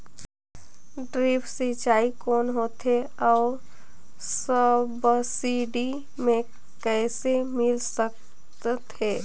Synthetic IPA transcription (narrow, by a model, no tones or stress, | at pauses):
ɖɾiːpʰsit͡ʃaːikɔːnɦot̪ʰɦeɔːɾ | səbsiɖi | mẽ | kɛːsemɪlsək | t̪t̪eː